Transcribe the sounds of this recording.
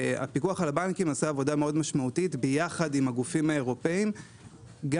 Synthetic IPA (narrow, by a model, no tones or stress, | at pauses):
a̰pikuaχalabankimasaːvo̞dameodmaʃmautitbejaχadimaɡufimae̞ʁo̞pe̞im | ɡa